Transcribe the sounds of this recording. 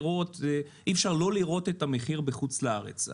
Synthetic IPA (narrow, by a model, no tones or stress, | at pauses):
ʁo̞t̪ʔifʃaʁlo̞liʁo̞t̪et̪ameχiʁbeχut͡slaaʁḛt͡s